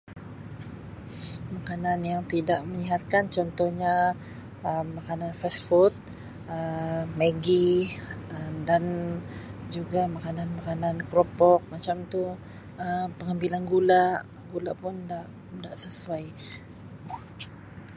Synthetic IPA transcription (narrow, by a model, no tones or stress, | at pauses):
makananjaŋt̪idaʔməɲiɦat̪̚kant͡ʃɔnt̪ɔhɲa | əmːakananfɛsfut̪̚ | əməɡi | ədan | d͡ʒuɡamakananmakanankɾopɔk̚mat͡ʃamt̪u | əmpəŋambilanɡulaʔ | ɡulaʔpʊndaʔ | daʔsəsuaj